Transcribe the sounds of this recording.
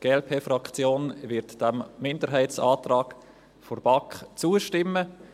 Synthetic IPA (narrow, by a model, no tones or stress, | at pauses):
ɡ̥eːɛlpʰeːfɾɑkt͡sjoːnvɪɾtd̥æmːɪndəɾɦɛɪtt͡sɑːt̪rɑːk | forb̥ɑkχt͡suəʃtɪmːə